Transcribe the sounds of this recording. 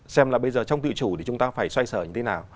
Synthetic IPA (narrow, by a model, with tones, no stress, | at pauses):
sɛ˧mlaː˨˩ɓə˧jzəː˨˩t͡ɕɔ˧wŋ͡mt̪ɨ̰˧˨t͡ɕu˧˩ɗe˨˧˩t͡ɕʊ˨˦ŋ͡mt̪aː˧faː˧˩jswa˧jsəː˧˩ɲɨ˧t̪ʰe˨˦naː˨˩w